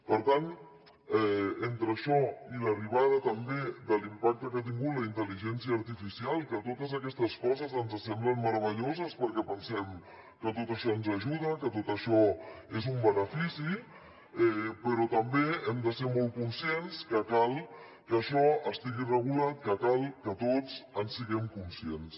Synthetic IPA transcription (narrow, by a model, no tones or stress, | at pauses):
pəɾt̪an | ɛent̪ɾəʃɔiləriβ̞aðət̪əmbed̪əlimpak̚t̪əkat̪̬iŋɡut̪ləint̪əliʒɛnsiəːɾt̪ifisialˠikət̪ot̪əzəkɛst̪əskɔzəzənzəsɛmblənməɾəβ̞əʎozəspəɾkɛpənsɛm | kət̪ot̪əʃɔənzəʒuðəkət̪ot̪əʃɔezumbənəfisi | ɛpəɾɔt̪əmbeɛmd̪əseɾmɔlˠt̚kunsienskəkalˠ | kəʃɔəst̪iɣirəɣ̞ulat̪̚kəkalˠkət̪ot͡sənsːiɣɛmkunsiens